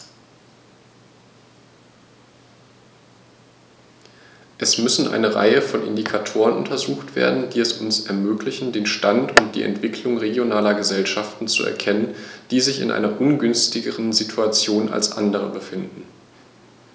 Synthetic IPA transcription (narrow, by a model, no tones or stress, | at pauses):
ʔɛsmʏsn̩ʔa̰ɪnəʁa̰ɪəfɔnʔɪ̰ndikʰatʰoːʁ̞ənʊntɐzuːxtv̥ḛːɐdn̩d̥iːɛsʊnsɛɐmøːklɪçn̩deːnʃtantʊnt̚d̥ḭːʔɛ̰ntv̥ɪklʊŋʁeɡjonaːlɐɡəzɛlʃaftn̩t͡sṵɛ̰ɐkʰɛnənd̥iːzɪçɪ̰nʔa̰ɪnɐʔʊnɡʏnstɪɡəʁənzitʰuat͡sjoːnʔa̰lsʔa̰ndəʁ̞ə̰bəfɪndn̩